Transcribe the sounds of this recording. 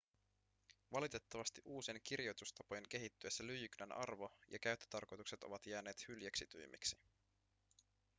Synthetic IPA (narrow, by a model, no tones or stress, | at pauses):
ʋɑlit̪e̞t̪ːɑʋɑst̪iʔuːsieŋk̟irjo̞jt̪ust̪ɑpo̞jeŋk̟e̞ɦit̪ːyesːælyjyknænʔɑ̰rʋo̞jɑ̰kæɥt̪ːø̥t̪ɑrko̞jt̪ukset̪o̞ʋɑt̪jæːne̞ːt̪hyljæksit̪yjmʔḭksi̥